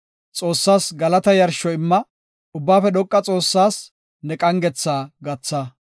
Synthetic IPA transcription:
t͡sʼo̞ːsːaːsɡɐlɐt̪ɐjɐɾʃɔɪmːɐ | ʊbːaːfɛd̪ɔkʼːɐt͡sʼo̞ːsːaːs | nɛkʼɐŋɡɛt͡sːaːɡɐt͡sːɐ

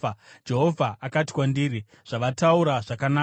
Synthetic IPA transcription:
d͡ʒe̞ɦo̞vʱaʔakati̥kwandiːɾi | ʐ̥aʋatauɾaʐakanaː

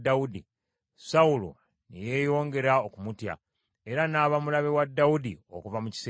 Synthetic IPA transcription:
daudi | saulo̰ | neje̞ːjo̞ːŋɡe̞ɾaokumutja̰ | e̞ɾanaːβamulaβe̞wadːawudio̰kuvamuci̥se

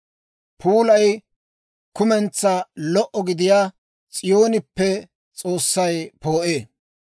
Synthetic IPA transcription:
pʰuːlɐj | kʊmɛnt͡sːɐlɔʔɔɡɪd̪ɪjaː | t͡sʼɪjo̞ːnɪpːɛ | t͡sʼo̞ːsːɐjpoːʔeː

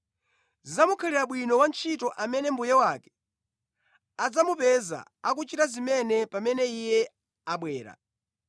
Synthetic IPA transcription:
zamukʰaliɾaɓwinɔwant͡ʃʰitɔʔamɛnɛmbujɛwakɛ̥ | ad͡zamupɛza̰ak̬ut͡ʃitazimɛnɛpamɛnɛijɛ | aɓwɛːɾa̰

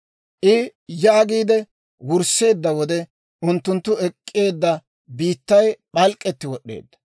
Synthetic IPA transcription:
ʔɪjaːɡiːd̪ɛ | wʊɾse̞ːd̪ːɐwɔd̪ɛ | ʊnt̪ːʊnt̪ːʊɛkʼːe̞ːd̪ːɐ | biːt̪ːɐjɓɐlkʼːɛt̪ːɪwɔɗːe̞̰ːd̪ːɐ̥

